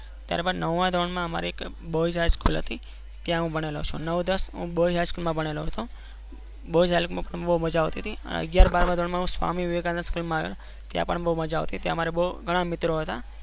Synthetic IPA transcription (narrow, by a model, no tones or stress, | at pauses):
t̪ja̰ɾbaɾnəʋːãd̪ʱoɳmãəma̰ɾiek | boid͡ʒajskṵlɦə̰t̪i | t̪jãɦũbʱəɽelo̰t͡ʃʰṵ̃nəʋd̪əsɦṵ̃boiɦajskulmãbəɽ̃eloɦt̪ʰũ | boid͡ʒajlkmãpəɳbəuməd͡ʒaʋt̪it̪ʰiə̰ə̰ɡjaɾbaɾmãd̪ʱoɳmãɦũsʋa̰miʋiʋɡãnəskulmãaʋḛl | t̪jã̰pəɳbəuməd͡ʒaʋt̪it̪jãmaɾeboɡʱəɽ̃amɪt̪ɾoɦət̪a